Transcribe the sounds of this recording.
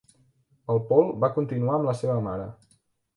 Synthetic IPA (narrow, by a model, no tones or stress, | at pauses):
əlˠpɔlˠbakunt̪inuaəmləseβəmaɾə̰